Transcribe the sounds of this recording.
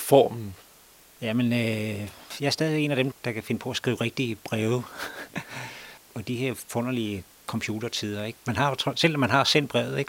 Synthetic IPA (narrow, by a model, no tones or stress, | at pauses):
fɒ̰ːmn̩ | jæmənø | jɑ̈æɐsdɛðˠiʋeɡ̥e̝̰ːnæd̥emd̥ɑ̈kʰæfe̝nəpʰɒ̽æsɡ̥ʁḭːʊʁeɡ̥̚d̥ib̥ʁɛːʊ | ɒ̽d̥ihe̝ɐ̰fɔn̰ɐliə | kʰɒ̽mpʰjuːd̥ɐt͡sʰið̰ˠɐeɡ̥mænɦɑ̈t͡sʰɔsel̰ɒmːænɦɑ̈sen̰̥̚b̥ʁɛʊð̩ˠeɡ̥